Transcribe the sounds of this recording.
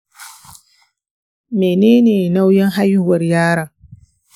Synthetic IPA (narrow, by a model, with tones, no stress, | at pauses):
meː˨neː˦neː˨na˦wjɛ˦ŋɦa˦ju˦wɐ˨ɾjaː˦ɾɐ˨ŋ